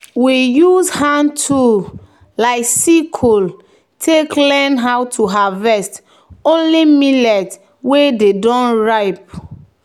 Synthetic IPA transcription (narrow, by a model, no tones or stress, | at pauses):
wijuzhãntʰu | laɪksikʰul | tʰeklɛnɦawtʰuɦavɛst | õnlimilɛt | wededɔ̃nɹaɪp̚